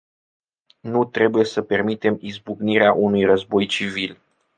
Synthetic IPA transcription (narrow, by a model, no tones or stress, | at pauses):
nut̪ɾe̞buje̞səpe̞rmit̪e̞mizbuɡniɾeaʔunujrəzbo̞jt͡ʃivil